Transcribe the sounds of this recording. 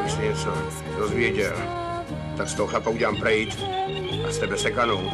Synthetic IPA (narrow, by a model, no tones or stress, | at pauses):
sɛɲɛt͡so | dozvjɛɟɛl | t̪akst̪oɦoxlapauɟɛlaːmpɾɛjit̪ | ast̪ɛbɛsɛkanow